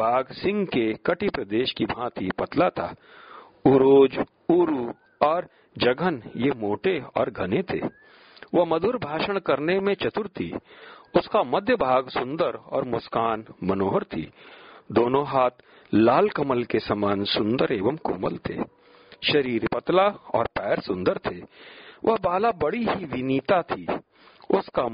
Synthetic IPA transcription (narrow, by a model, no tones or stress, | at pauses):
bʱaːɡsɪ̃ŋɡkekɐʈipɾɐd̪eːʃkibʱãːt̪ʰipɐt̪lat̪ʰa̰ː | uɾoːd͡ʒ | uːɾu | ɔːɾ | d͡ʒɐɡʱənjemoːʈeɔ̰ːɾɡʱɐnet̪ʰḛː | ʋɐmɐd̪ʱʊɾbʱaːʃəɽ̃kɐɾnemẽt͡ʃɐt̪ʊɾt̪ʰḭːʊskamɐd̪ʱjəbʱaːɡsʊ̃nd̪əɾɔ̰ːɾmʊskaːnmənoːɦɾt̪ʰḭːd̪oːnõɦaːt̪ | laːlkɐməlkesɐmaːnsʊ̃nd̪əɾeːʋəmkʊ̰mə̰lt̪ʰḛː | ʃɐɾiːɾpət̪laɔ̰ːɾpɛːɾsʊ̃nd̪əɾt̪ʰeːʋʔɐɦbaːlabɐɽiɦiʋɪniːt̪at̪ʰi | ʊska